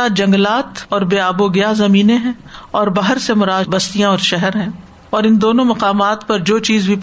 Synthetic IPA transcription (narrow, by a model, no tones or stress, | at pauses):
aːd͡ʒɐ̃ŋɡlaːt̪ɔːɾbeːaːboɡɪjazɐmiːneɦɛ̃ːɔːɾbaːɦəɾsemʊɾaːbɐst̪ijãɔːɾʃɛɦɛɾɦɛ̃ː | ɔːɾɪ̃nd̪oːnõmɐqaːmaːt̪pɐɾd͡ʒoːt͡ʃiːzbʱip